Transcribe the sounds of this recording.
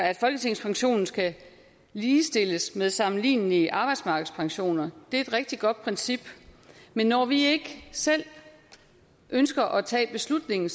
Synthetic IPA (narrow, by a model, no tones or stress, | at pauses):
æd̥fɒ̽lɡ̥ət͡sʰe̝ŋ̰spʰɑ̈ŋɕo̝̰ːnn̩sɡ̥æ | liːsd̥e̝ləsmeðˠsɑ̈mn̩lḭːniʔɑ̈ːb̥ɑ̈ɪd̥smɑ̈ːɡ̥ð̩ˠspʰɑ̈ŋɕo̝̰ːnɐd̥e̝æɐe̝d̥ʁɛɡ̥̚d̥iɡ̥ɒ̽d̥̚pʰʁɛnsib̥menːɒʋie̝ɡ̥əsel̰ | ʔønsɡ̥ɐʔɒ̽t͡sʰɛ̰ːb̥e̝slud̥ne̝ŋn̩